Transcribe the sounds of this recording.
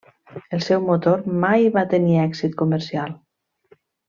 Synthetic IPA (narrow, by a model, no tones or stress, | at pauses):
əlˠsɛwmot̪oɾmajβat̪əniɛksit̪kuməɾsialˠ